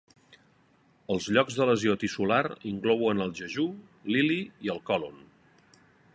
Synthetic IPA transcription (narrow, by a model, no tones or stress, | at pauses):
əlˠzʎɔɡzðələziot̪isulaɾiŋklɔwənəlˠʒəʒuliliiəlˠkɔlun